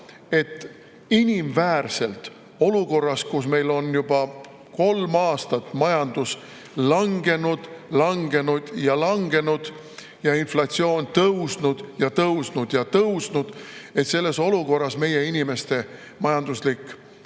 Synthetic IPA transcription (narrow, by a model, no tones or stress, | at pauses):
e̞t̪ˑː | inʲimvæːrse̞lt̪ | o̞luko̞rːɑskusme̞jlo̞njub̥ɑ | ko̞lmɑːst̪ɑt̪ːˑmɑjɑnd̪̥us | lɑŋɡe̞nud̪̥lɑŋɡe̞nud̪̥jɑlɑŋɡ̥e̞nud̪̥ | jɑinflɑt̪sio̞ːnt̪ɤwsnud̪̥jɑt̪ɤwsnud̪̥jɑt̪ɤwsnud̪̥e̞t̪se̞lːe̞so̞luko̞rːɑsme̞je̞inʲime̞st̪e̞ | mɑjɑnd̪̥uslikːˑ